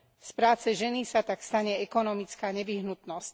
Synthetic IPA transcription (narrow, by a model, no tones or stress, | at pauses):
spɾaːt͡sɛʒɛnisat̪akst̪aɲɛɛkɔnɔmit͡skaːɲɛʋiɦnut̪nɔsc